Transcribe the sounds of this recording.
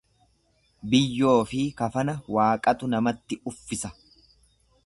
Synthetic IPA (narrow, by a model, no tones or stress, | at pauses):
bɪjːo̞ːfɪkɐfɐnɐwaːkʼɐt̪ʊnɐmɐt̪ːɪʊfːɪsɐ